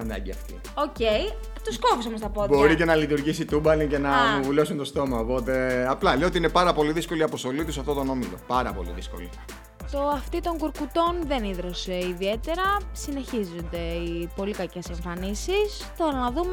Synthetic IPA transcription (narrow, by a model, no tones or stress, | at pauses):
ɐnd̪ɐ̰ɟiɐ̰ft̪ḭ | oce̞j | t̪oskopis̬omost̪ɐpotb̪o̞ɾice̞nɐlit̪uɾʝisit̪ubɐlice̞nɐmuvulosunt̪o̞st̪o̞mɐopo̞t̪e̞ɐplɐleot̪iine̞pɐɾɐpo̞liðisko̞liɐpo̞st̪o̞lit̪usɐft̪o̞t̪o̞no̞milo̞̰pɐɾɐ̰po̞̰lḭðisko̞̰lḭ | t̪o̞ɐft̪it̪o̞ŋɡuɾkut̪o̞nðe̞niðɾo̞se̞iðie̞t̪e̞ɾɐsine̞çizond̪e̞ipo̞likɐce̞se̞ɱfɐnisis | t̪o̞ɾɐnɐðume